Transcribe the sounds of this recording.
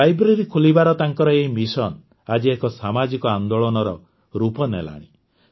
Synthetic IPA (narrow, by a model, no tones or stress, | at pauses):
ajbɾeɾikʰolibaɾɔt̪aŋkɔɾɔeɦimisɔn | ad͡ʒiekɔsamad͡ʒikɔand̪oɭɔnɔɾɔ | ɾupɔnḛla̰ɽ̃i